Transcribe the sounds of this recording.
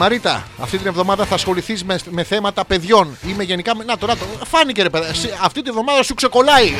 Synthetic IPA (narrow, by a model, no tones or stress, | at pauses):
ɐɾit̪ɐ̰ɐ̰ft̪it̪inevðo̞mɐðɐθɐːsxo̞liθizmeme̞θe̞mɐt̪ɐpe̞ðʝo̞nime̞ʝe̞nikɐmnɐt̪onɐt̪ofɐniceɾepeðsiɐft̪it̪inevðo̞mɐðɐsukse̞ko̞lɐi